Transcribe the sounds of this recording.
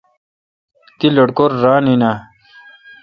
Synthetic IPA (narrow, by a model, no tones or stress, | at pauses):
t̪iloɽkoɾːaːnina